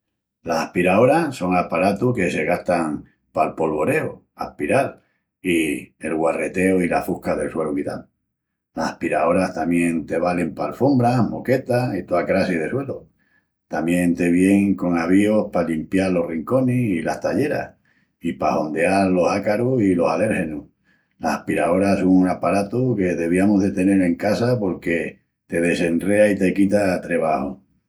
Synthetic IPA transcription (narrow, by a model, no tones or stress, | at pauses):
lasahpiɾao̞ɾaso̞ŋapaɾat̪uke̞se̞ɣaht̪aŋ | palpo̞lβo̞ɾe̞o | a̰hpiɾal | ie̞lɣware̞t̪e̞oilafuhkaðe̞lswelokit̪al | lahahpiɾao̞ɾaht̪amje̞nt̪e̞βale̞mpaːlfombɾamoke̞t̪ait̪oakɾasið̞e̞swe̞lo | t̪amjẽ̞nt̪e̞βje̞ŋko̞ŋaβ̞io̞hpalimpjaɾlo̞riŋko̞nesilast̪aʎe̞ɾa̰h | ipaho̞nd̪eaɾlo̞sakaɾosilo̞sale̞ɾhe̞nu | lahapiɾao̞ɾasoŋunapaɾat̪oke̞ðe̞β̞iamoɦðe̞t̪e̞ne̞ɾe̞ŋkasapo̞ɾke̞ | t̪e̞ðe̞se̞nre̞ait̪e̞kit̪at̪ɾe̞β̞aho̰